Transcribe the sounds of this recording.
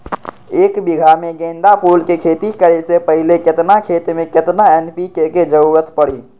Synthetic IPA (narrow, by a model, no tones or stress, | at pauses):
eːkbɪɡʱamẽɡẽːnd̪apʰuːlkekʰeːt̪ikəɾesepəɦɪlekɪt̪nakʰeːt̪mẽkɪt̪naɛːnpikeked͡ʒəuɾət̪pəɽiː